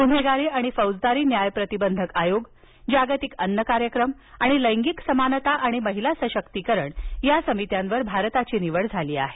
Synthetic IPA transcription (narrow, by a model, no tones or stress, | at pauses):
t̪um̤eɡaɾeaɽ̃ifəwd͡zd̪aɾiːnjajpɾət̪ibənd̪ʱəkajoɡ | d͡ʑaɡət̪ikənːəkaɾjəkɾəm | aɽ̃iləjŋɡiksəmanət̪aʔaɽ̃iməɦilasəɕəkt̪ikəɾəɳjasəmit̪jãnʋəɾbʱaɾt̪at͡ɕiːniʋəɭd͡zʱaliːa̰ɦe